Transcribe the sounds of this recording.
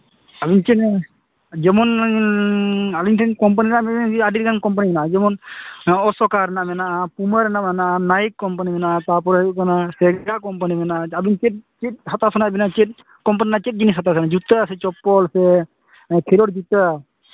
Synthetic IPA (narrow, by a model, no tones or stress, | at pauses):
abint͡ʃɛt | d͡ʒɛmɔn | aliŋʈʰɛnkɔmp̬aninaʔmɛɛadiɾɡankɔmp̬animɛnaʔd͡ʒɛmɔnɔsɔkaɾɛnaʔmɛnaʔapuməɾɛnamɛnaʔanajkːɔmpanimɛnaʔt̪ap̬ɔɾauʔkanasɛɡɡakɔmpanimɛnaʔabint͡ʃɛt̚t͡ʃit̚sat̪asɔnabɛnat͡ʃɛt̚ | kɔmp̬aninat͡ʃɛt̚d͡ʒinis̬at̪asɔnad͡ʒut̪əsɛt͡ʃɔpːɔlsɛ | kʰiɾɔʈ̚d͡ʒut̪ə